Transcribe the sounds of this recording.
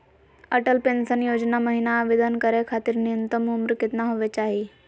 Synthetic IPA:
əʈəlpensənjod͡ʑnaməɦinaʋed̪ənkəɾekʰat̪iːɾniənt̪əmumɾkit̪naɦoʋet͡ɕaɦi

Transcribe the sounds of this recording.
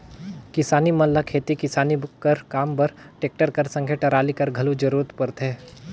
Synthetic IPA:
kɪsaːnimɐnlakʰeːt̪ikɪsaːnibʊkːɐɾkaːmpɐɾʈeːk̚ʈəɾkɐɾsɐ̃ŋɡʰʱeʈɐɾaːlikɐɾɡʱɐlud͡ʒɐɾuːɾət̪pɐɾt̪ʰɦeː

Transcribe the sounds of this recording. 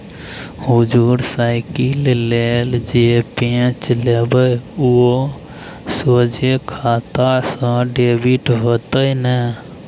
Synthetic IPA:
hud͡ʒuɾsaɪkilleld͡ʒepẽt͡ʃlebəuo | sod͡ʒekʰaːt̪asə̃ɖebiʈɦot̪əinə

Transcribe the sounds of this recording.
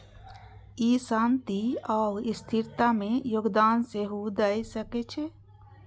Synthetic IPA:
isãːnt̪iaːɾɪst̪ʰɪɾt̪amẽjoːɡd̪aːnseɦud̪aisəket͡ʃʰe

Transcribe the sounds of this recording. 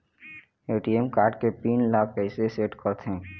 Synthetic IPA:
eːʈiemkaːɾɖkepiːnlaːk̚ʰpɛɪseseːʈkəɾt̪ʰɦɛ̃ː

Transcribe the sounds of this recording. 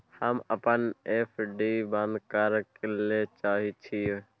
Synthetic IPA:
həməpənefʰɖiːbãnd̪kəɾkelet͡ʃaːɦit͡ʃʰie

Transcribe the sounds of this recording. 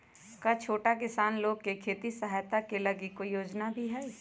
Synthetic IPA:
kat͡ʃʰoːʈakɪsaːnloːɡ̚kekʰeːt̪isɐɦaːjt̪akelɐɡɪkojoːd͡ʒnabʱiɦɛː

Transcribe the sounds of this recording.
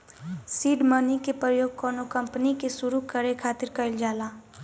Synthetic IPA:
siːɖmənikepɾəjoːɡ̚kɔːnokə̃mpnikesʊɾukəɾekʰaːt̪ɪɾkəɪld͡ʒaːlaː

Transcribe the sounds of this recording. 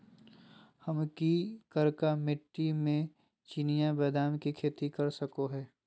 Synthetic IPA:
hɐmkikəɾkamɪʈːimẽ | t͡ʃinijabɛːd̪aːmkikʰeːt̪ikɐɾsɐkoɦɛː

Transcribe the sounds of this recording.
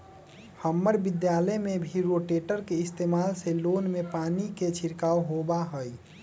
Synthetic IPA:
həmːəɾbɪd̪jaːləjmebʱiɾoːʈeːʈəɾkeɪst̪eːmaːlseloːnmepaːniket͡ʃʰɪɾkaːoɦobaɦəi

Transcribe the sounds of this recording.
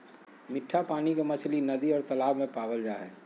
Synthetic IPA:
mɪʈʰːapaːnikemɐt͡ʃʰlinɐd̪iɔːɾt̪ɐlaːbmẽpaːʋəld͡ʒaːɦɛ̰ː

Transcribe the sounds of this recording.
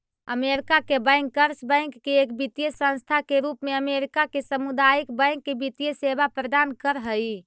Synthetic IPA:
əmeɾikakebəjŋkːəɾsbə̃j̃ŋkːeːkbit̪ijəsə̃nst̪ʰakeɾupmeəmeɾikakesəmud̪ajikbə̃jŋkːebit̪ijəsebapɾəd̪ankəɾɦəj

